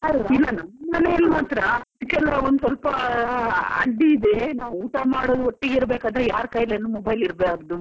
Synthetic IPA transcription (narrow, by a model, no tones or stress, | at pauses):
ɐilːɐnamɐnːeilːmɐnt̪ɐɾɐd̪kɛlʋɐond̪usɐlpɐ | ɐ̰ɖiːd̪enaːʋuːʈamaːɽoːd̪oʈːeɡiɾbeːkaːd̪ɐɾejaːɾkɐjlenːumɔbɐjliɾbeaːɡd̪u